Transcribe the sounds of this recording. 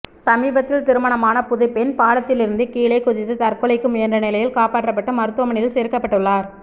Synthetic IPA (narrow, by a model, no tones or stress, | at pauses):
sɐmiːbɐt̪ːɪlt̪ɪɾɯmɐɳɐmaːnɐpʊðɐɪpːɛnpaːlɐt̪ːɪlɪɾɯnd̪ɯkiːɭɐɪkʊðɪt̪ːɯt̪ɐrkɯɭɐɪkːɯmʊjɛɐndrɐnɪlɐjɪlkaːpaːʈrɐpːɐʈːɯmɐɾɯt̪ːɯʋɐmɐɳɪlseːɾkːɐpːɐʈːɯɭːaːɾ